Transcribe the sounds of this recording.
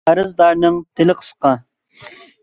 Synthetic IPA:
æɾɨzd̪ɑɾnɨŋt̪ʰɪlɪqʰə̥sqɑ

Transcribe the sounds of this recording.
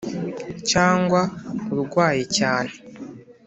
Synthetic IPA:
caːŋɡwauɾuɾɡwaːjecaːne

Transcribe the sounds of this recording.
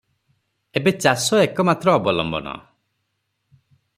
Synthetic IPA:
ebet͡ʃasɔekɔmat̪ɾɔːbɔlɔ̰mbɔ̰nɔ̰

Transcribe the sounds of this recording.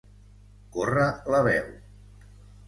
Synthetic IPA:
korələβɛw

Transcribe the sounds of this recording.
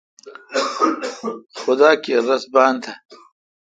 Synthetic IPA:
xʊd̪aːkeɾɐsbaːnt̪ʰa

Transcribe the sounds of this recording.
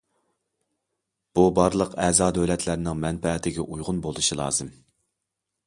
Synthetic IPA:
b̥ubɑɾlˠəqʰɛːzɑːd̪øwlɛt̪ʰlæɾnɪŋmɛnpɛt̪ʰɪɡʲɛʔujʁʊnbolˠuʃilˠɑ̰ːzɨm

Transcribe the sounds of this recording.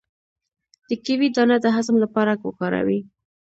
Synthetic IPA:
d̪̥əkiwid̪ɑnad̪əɦazmlapɑɾaɡwo̰kɑɾa̰wi

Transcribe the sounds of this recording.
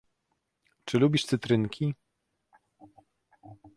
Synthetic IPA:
t͡ʂɘlubʲiʂsɘt̪ɾɘŋkʲʰi

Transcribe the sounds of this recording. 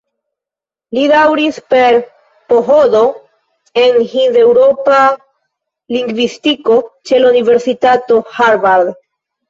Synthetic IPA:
lidawɾispe̞ɾ | po̞ɦo̞do̞ | e̞nhinze̞wɾo̞pa | liŋɡvistiko̞t͡ʃe̞launive̞ɾsitato̞haɾvaɾd̪

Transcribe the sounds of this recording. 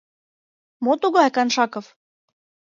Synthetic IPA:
mot̪uɣɑækɑnʃɑkof

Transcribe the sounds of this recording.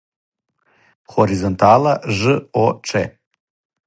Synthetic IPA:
χoɾizont̪ʰalaʐɨoʈ͡ʂʰe

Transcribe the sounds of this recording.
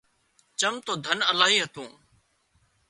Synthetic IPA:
t͡ʃəmt̪oːd̪ʱənəlaːɦiːɦət̪ũː

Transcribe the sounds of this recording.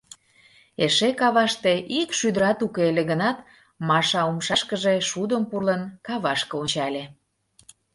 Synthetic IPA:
eʃekɑβɑʃt̪eʔikʃyd̪əɾɑt̪ukeeleɣənɑt̪ | mɑʃɑumʃɑʃkəʒeʃud̪əmpurlənkɑβɑʃkəont͡ɕɑlʲe

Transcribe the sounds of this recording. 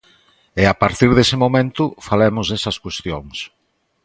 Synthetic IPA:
ɪapaɾt̪iɾðesɪmomẽnt̪ʊfalemʊzðesɐskwest̪joŋs

